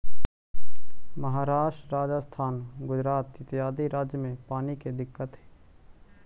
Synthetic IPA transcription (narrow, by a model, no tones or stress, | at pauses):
məɦaːɾaːʃʈɾaːd͡ʒəst̪ʰaːnɡʊd͡ʒɾaːt̪ɪt̪ijaːd̪iɾaːd͡ʒjəmẽpaːniked̪ɪkːət̪ɦɛː